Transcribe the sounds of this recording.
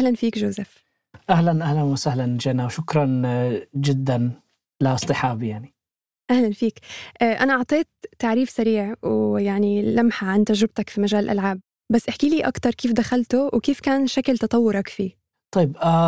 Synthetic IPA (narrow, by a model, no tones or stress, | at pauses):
ʔahlanfiːkʒoːzɪf | ʔahlanʔahlanwɪsahland͡ʒanːawʃʊkɾˤɑnd͡ʒɪd̪ːan | lɪʔɨsˤt̪ˤɨħaːbjaʕni | ʔahlanfiːkʔaːʔanaʔɑʕt̪ˤeːt̪ːaʕɾiːfsaɾiːʕwjaʕnilamħaʕant̪aʒɾɪb̚t̪akfimaʒaːlɪlʔa̰lʕaːb̚ːasːʔɪħkiːliːʔakt̪ɑɾˤkeːfd̪axalt̪ʊwkeːfkaːnʃaklt̪ɑt̪ˤɑwːʊɾˤɑkfiː | t̪ˤɑjːba